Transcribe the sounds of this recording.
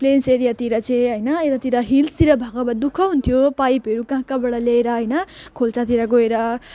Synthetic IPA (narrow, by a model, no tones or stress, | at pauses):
plenseɾijat̪iɾʌt͡sẽɦʌjnʌet̪at̪iɾʌɦilst̪iɾʌbʱʌɡʌbad̪ukʰʌɦunt̪ʰijopajpʌɾukãɦkabeɽʌleeɾʌɦʌjnʌkʰolt͡sat̪iɾʌɡoeɾʌ